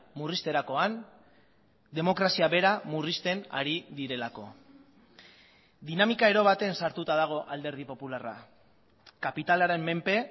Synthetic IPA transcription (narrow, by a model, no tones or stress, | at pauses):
murist̪e̞ɾako̞an | d̪e̞mo̞kɾasiaβe̞ɾamurist̪e̞na̰ɾiðiɾe̞lako̞ | d̪inamikae̞ɾo̞β̞at̪e̞nsaɾt̪ut̪aðaɣ̞o̞ʔald̪e̞ɾð̞ipo̞pulara̰ | kapit̪alaɾe̞mːe̞mpe̞